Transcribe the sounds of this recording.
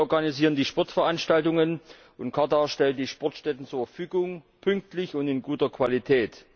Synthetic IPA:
ɔɐɡaniziːʁəndiːʃpɔɐtfɛɐʔanʃtaltʊŋən | ʔʊntkʰataʃtɛlnd̥iːʃpɔɐtʃtɛtn̩t͡suːɐfɐfyːɡʊŋ | pʰʏŋk̚tlɪçʊntɪnɡuːtɐkʰv̥alitʰɛːt

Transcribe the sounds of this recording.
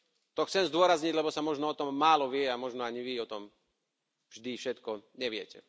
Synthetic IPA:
t̪ɔxt͡sɛmzd̪ʊɔɾazɲiɟlɛbɔsamɔʒnɔɔt̪ɔmːaːlɔʋɪɛamɔʒnɔaɲiʋiɔt̪ɔm | vʒd̪ifʃɛt̪kɔɲɛʋɪɛcɛ̰

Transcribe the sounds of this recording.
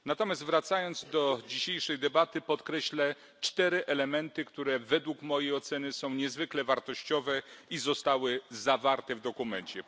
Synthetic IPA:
nat̪ɔmʲjast̪vɾat̪sajɔnd̪zd̪ɔd͡ʑiɕejʂɛjd̪ɛbat̪ɘpɔt̪kɾɛɕlɛ | t͡ʂt̪ɛɾɘʔɛlɛmɛnt̪ɘkt̪uɾɛvɛd̪wukmɔjejɔt̪sɛnɘsɔ̃w̃ɲɛzvɘklɛvaɾt̪ɔɕt͡ɕɔvɛizɔst̪awɘzavaɾt̪ɛvd̪ɔkumɛɲt͡ɕɛ

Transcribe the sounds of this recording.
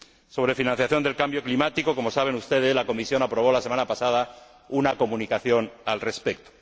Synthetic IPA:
so̞β̞ɾe̞finãnθjaθjo̞nd̪e̞lkambjo̞klimat̪iko̞ko̞mo̞saβ̞e̞nust̪e̞ð̞e̞zlako̞misjo̞napɾoβ̞o̞lase̞manapasað̞a | unako̞mũnikaθjo̞nalre̞spek̚t̪o̥

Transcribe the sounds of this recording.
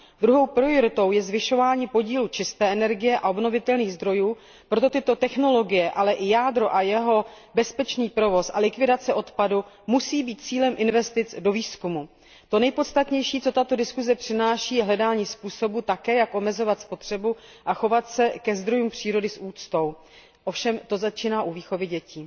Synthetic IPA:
d̪ɾuɦo̞wpɾɪjoɾɪt̪o̞wjɛzvɪʃo̞vaːɲiːpo̞ɟiːlut͡ʃɪst̪ɛːʔɛnɛɾɡɪjɛʔao̞bno̞vɪt̪ɛlniːɣzd̪ɾo̞juː | pɾo̞t̪̬o̞t̪ɪt̪o̞t̪ɛxno̞lo̞ɡɪjɛʔalɛʔɪjaːd̪ɾo̞ʔajɛɦo̞ | bɛspɛt͡ʃniːpɾo̞vo̞sʔalɪkvɪdat͡sɛʔo̞t̪padu | musiːbiːt̪̚t͡siːlɛmʔɪnvɛst̪ɪt͡sdo̞viːskumu | t̪o̞nɛjpo̞t̪st̪at̪ɲɛjʃiːt͡so̞t̪at̪o̞dɪskuzɛpr̥ɪnaːʃiːjɛɦlɛdaːɲiːspuːso̞but̪akɛːjakʔo̞mɛzo̞vat̪spo̞t̪r̝̥ɛbuʔaxo̞vat̪sɛkɛzd̪ɾo̞juːmpr̝̥iːɾo̞dɪsʔuːt͡st̪o̞w | ʔofʃɛmt̪o̞zat͡ʃiːnaːʔuviːxo̞vɪɟɛciː

